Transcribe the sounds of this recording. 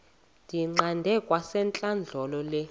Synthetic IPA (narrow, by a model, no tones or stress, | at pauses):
d̥ʱiŋ͡ǃandʱɛkʼwasɛnt͡ɬʼand͡ɮʱɔlɔlɛ